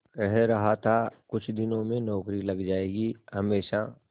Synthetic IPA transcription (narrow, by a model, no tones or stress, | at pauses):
kɛɦɛɾɐɦat̪ʰakʊt͡ʃʰd̪ɪnõmẽnɔːkɾilɐɡd͡ʒaːeːɡihɐmeːʃa